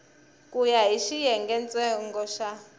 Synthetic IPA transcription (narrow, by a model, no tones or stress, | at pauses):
kʼujaɦiʃijɛŋɡɛnt͡sʼɛŋɡɔʃa